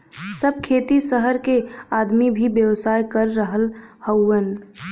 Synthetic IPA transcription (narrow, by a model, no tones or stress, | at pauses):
səb̚ʱkʰeːt̪isəɦəɾkeaːd̪mibʱibjəwsaːjkəɾːəɦəlhəwən